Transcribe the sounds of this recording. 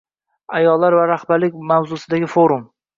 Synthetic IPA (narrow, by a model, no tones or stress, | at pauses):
ajɒlˠːaɾvaɾaχbaɾlɪkʲmawzʊsɪd̪aɡʲɪfoɾʊm